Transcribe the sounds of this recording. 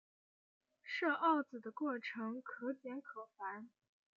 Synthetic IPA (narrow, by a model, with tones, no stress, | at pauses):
ʂɤ˥˧ʔɑ˥˩ʊt͡sɹ̩˨˩d̪ə˦kwɔ˥˩ʈ͡ʂʰɤ˧˥ŋkʰɤ˧˥t̪jɛ˧˥nkʰɤ˨˩fa˧˥n